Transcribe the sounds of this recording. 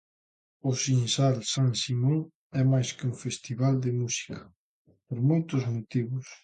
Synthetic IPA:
ʊsinsalsaŋsimoŋ | ɛmajskɪuŋfest̪iβald̪ɪmusi̥kɐ̰ | poɾmojt̪ʊzmot̪iβʊs

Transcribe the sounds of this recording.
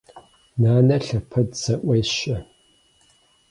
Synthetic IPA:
naːnɐɬɐpʰɐdsɐʔʷɐjɕɐ

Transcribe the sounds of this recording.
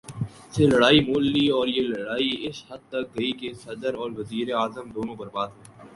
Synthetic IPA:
selɐɽaːimoːlːiɔːɾjelɐɽaːiɪshɐd̪̚t̪ɐk̚ɡɐikesɐd̪əɾɔːɾʋɐziːɾeaːzəmd̪oːnõːbɐɾbaːd̪ɦẽː

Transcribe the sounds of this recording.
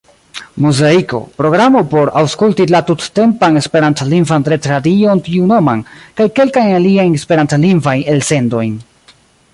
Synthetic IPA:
muzaiko̞̰pɾo̞ɡɾamo̞po̞ɾawskultilatutte̞mpane̞spe̞ɾantliŋvantɾetɾadio̞ntiunomankajke̞lkajnaliajnespe̞ɾantliŋvajne̞lse̞ndo̞jn

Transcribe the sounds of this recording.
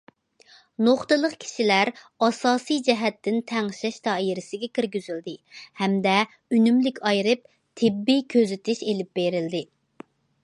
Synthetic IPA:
noχt̪ɨlˠəqkʲʰi̥ʃilæɾ | ɑsɑːsɨjd͡ʒɛɦɛt̪ːɪnt̪ʰɛŋʃɛʃt̪ʰɑjiɾɪsɪɡʲɛkʲiɾɡʲyzyld̪ɪhɛmd̪ɛ | ynymlɪkʲʰɑjɾɨp̚ | t̪ʰɪbːijkʲʰøzɪt̪ɪʃelɪp̚beɾɪld̪ɪ

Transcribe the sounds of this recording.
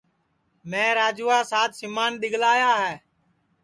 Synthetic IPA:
mɛ̃ːɾaːd͡ʒuːaːsaːt̪sɪmaːnɗ̪ɪɠlaːjaːɦɛː

